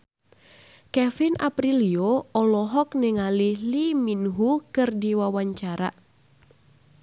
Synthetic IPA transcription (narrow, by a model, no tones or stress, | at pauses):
kɛfina̰pɾilioɔlɔɦɔk̚nɛŋalɪhliminɦukɨrdiwawaɲt͡ʃaɾa̰